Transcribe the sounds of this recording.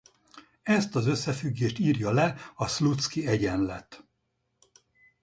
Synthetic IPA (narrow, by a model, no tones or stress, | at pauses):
ɛst̪ɒzø̞sːɛfyɡːeːʃt̪iːrjɒlɛɒslut̪skiɛɟɛnlɛt̪